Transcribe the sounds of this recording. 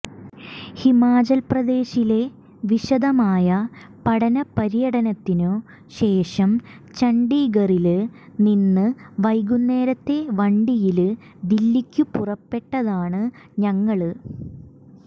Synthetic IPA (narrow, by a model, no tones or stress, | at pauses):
himaːd͡ʑɐlprɐd̪e̞ːɕile̞ | ʋiɕɐd̪ɐmaːjɐ | pɐɽɐnɐpɐɾijɐɽɐnɐt̪ːinoː | ɕe̞ːʂɐm | t͡ɕɐɳɖiːɣɐrilninːɨʋɐjɡunːe̞ːɾɐt̪ːe̞ʋɐɳɖijilɨ | d̪ilːikʲːupurɐpːe̞ʈːɐðaːɳɨ | ɲɐŋːɐɭɨ